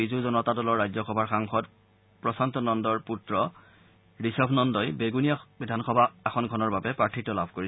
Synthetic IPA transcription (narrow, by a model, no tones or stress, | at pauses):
izuzɔnɔtadɔlɔɹːajzɔxɔbʱaɹxaŋxɔt | pɹɔsantɔnɔndɔɹputɹɔ | ɹisɔpnɔndɔjbeɡunijabidʱanxɔbʱaːxɔnkʰɔnɔɹbabɛpɹatʰitːɔlabʱkoɹis